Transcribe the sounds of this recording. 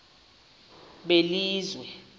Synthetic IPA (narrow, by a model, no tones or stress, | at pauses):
ɓeliːzwɛ